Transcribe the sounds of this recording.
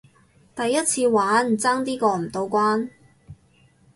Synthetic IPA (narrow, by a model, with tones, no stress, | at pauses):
t̪ɐ˨jːɐ˥t̚t͡sʰiː˧waː˨˥nm˨˩t͡saː˥ŋt̪iː˥kɔː˧m̩˨˩t̪o˧wkwaː˥n